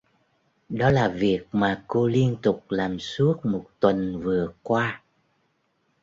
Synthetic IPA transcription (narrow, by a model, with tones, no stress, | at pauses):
ɗɔ˨˦laː˨˩vi˨˩ək̚maː˨˩ko˧li˧ənt̪ʊ˨˩k͡p̚laː˨˩msu˦˥ət̚mo˨˩t̚t̪wə˨˩nvɨ˨˩əkwaː˧